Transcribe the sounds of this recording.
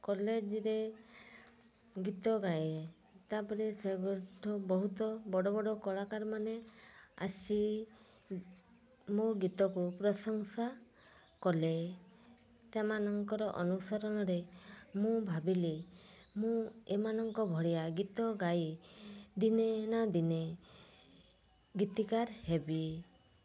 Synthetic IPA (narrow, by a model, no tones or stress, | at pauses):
kɔled͡ʒɾe | ɡit̪ɔɡaje | t̪apɔɾeseɡɔʈʰɔbɔɦut̪ɔbɔɽɔbɔɽɔkɔɭakaɾmanea̰si | moɡit̪ɔkupɾɔsɔŋsa | kɔle | semanɔŋkɔɾɔʔɔnusɔɾɔñɔɾemũbʱabile | mũemanɔŋkɔbʱɔɽijaɡit̪ɔɡaj | d̪inenad̪ine | ɡit̪ikaɾhebi